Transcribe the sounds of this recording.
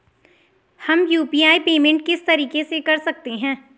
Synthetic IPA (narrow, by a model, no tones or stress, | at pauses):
hɐmjuːpiːjaːipeːmẽɳʈkɪst̪ɐɾiːkesekɐɾsɐk̚t̪eɦɛ̃ː